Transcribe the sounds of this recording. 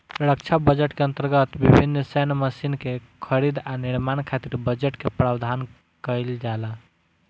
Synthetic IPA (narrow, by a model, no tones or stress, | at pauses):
ɾək̚t͡ʃʰabəd͡ʒəʈkeə̃nt̪əɾɡət̪bibʱinːsɛnməsinkekʰəɾid̪aniɾmankʰat̪iɾbəd͡ʒəʈkepɾabd̪ʱan | kəɪld͡ʒala